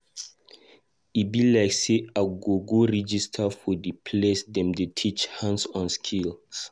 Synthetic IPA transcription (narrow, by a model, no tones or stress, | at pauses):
ibilaɪkseaɡoɡoɹɛd͡ʒistʰafɔdipʰlesdɛ̃mdutʰit͡ʃhãnsɔ̃nskʰils